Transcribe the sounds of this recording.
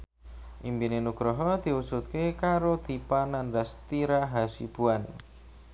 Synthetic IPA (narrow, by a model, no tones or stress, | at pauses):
ʔimbinenuɡ̥ɾɔɦɔd̪̥i̤usut̪̚kekaɾod̪̥ipanandast̪iɾaɦasḭb̥uan